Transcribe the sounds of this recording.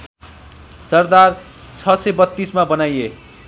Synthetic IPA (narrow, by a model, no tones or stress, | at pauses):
sʌrd̪ar | t͡sʰʌsebʌt̪ːismabʌnaje